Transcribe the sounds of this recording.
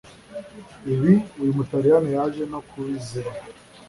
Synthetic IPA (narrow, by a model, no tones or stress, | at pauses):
iβiujumutaɾijanijaʒenokʰuβiziɾa